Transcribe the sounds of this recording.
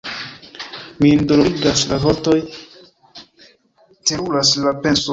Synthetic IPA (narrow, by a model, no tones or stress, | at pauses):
mindoloiɡaslavoto̞j | teɾulaslape̞nso